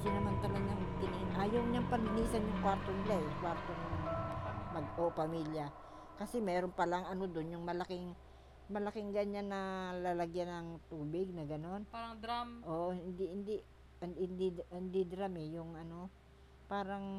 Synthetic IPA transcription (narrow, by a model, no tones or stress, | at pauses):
sɪnɐmant̪ɐlɐɡaŋkɪninʔajɐwɲaŋpɐnɪniːsɐnjʊŋkwaɾt̪o̞nɪlaɛjʊŋkwaɾt̪onɐŋ | mɐɡʔopɐmilja | kɐsɛmɛːɾonpɐlaŋɐno̞d̪onjʊŋmɐlɐkɪŋ | mɐlɐkɪŋɡɐɲanːɐlalɐɡjanɐŋt̪uːbɪɡ̚nɐɡɐno̞n | ʔoʔhɪnd̪ɪhɪnd̪ɪʔ | hɪnd̪ihɪnd̪ɪd̪ɾamɛjʊŋʔɐno̞ | paːɾɐŋ